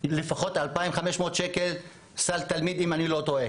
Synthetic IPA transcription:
lefaχo̞t̪alpaimχameʃmo̞t̪ʃekel | salt̪almid̪imanilo̞t̪oe

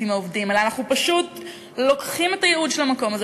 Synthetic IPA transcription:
imaovdimelanaχnupaʃut | lo̞kχimetajeud̪ʃelamako̞maz

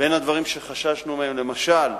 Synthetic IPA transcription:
be̞nhad̪vaʁimʃe̞χaʃaʃnumehemle̞maʃal

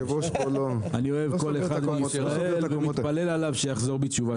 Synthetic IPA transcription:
oolanio̞evko̞leχad̪miisʁaelvemit̪pale̞lalavʃejaχzo̞ʁbit͡ʃuva

